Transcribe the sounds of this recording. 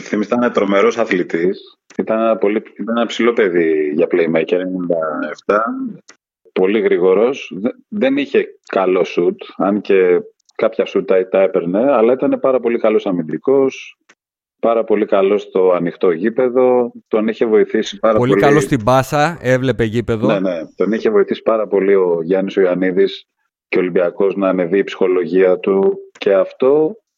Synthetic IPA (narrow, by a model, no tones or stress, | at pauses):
θimist̪ɐnet̪ɾo̞me̞ɾo̞sɐθlit̪is | it̪ɐnenɐpo̞liit̪ɐnenɐpsilo̞pe̞ðiʝɐpleimeceneninnd̪ɐeft̪ɐ | po̞liɣɾiɣo̞ɾo̞s | ðe̞niçe̞kɐlo̞sut̪ɐnce̞ | kɐpçɐsut̪ɐit̪ɐe̞pe̞ɾne̞ɐlɐit̪ɐne̞pɐɾɐpo̞likɐlo̞sɐmind̪iko̞s | pɐɾɐpo̞likɐlo̞st̪o̞ɐnixt̪o̞ʝipe̞ðo̞t̪o̞niçe̞vo̞iθisi̥pɐɾɐpololiklost̪ibɐsɐe̞vlepeʝipe̞ðonene̞t̪o̞niçe̞vo̞iθisi̥pɐɾɐpo̞lio̞ʝɐnisoiɐniðis | ceolimbiɐko̞znɐːne̞viːpsi̥xo̞lo̞ʝiɐt̪uce̞ɐft̪o̞